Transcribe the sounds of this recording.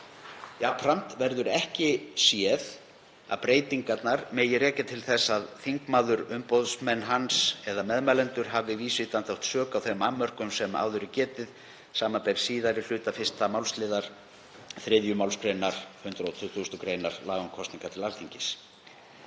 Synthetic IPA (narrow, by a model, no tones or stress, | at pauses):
japʰɾant̪vɛɾðʏɾɛhcɪsjɛð | a̰ðpɾeːjt̪iŋkat̪naɾmeːjɪrɛːcɪt̪ʰɪlθɛsːaðθiŋkmaːðʏɾʏmpoðsmɛnːɦansɛðamɛðmalɛnt̪ʏɾ̥ɦavðɪviːsviht̪anθawht̪sœːkawθemamːœr̥kʏmsɛma̰ːwðʏɾɪcɛːt̪ɪð | saːmapejɾ̥siːðaɾɪl̥ʏːt̪afɪst̪amawlslɪːðaɾ̥ | θɾɪðjʏmawlskɾejnaɾ̥hʏnt̪ɾaɔt̪ʰʏθust̪ʏkɾeːjnaɾ̥laːɣɔŋkʰɔst̪niŋkat̪ʰɪlalθiɲcɪs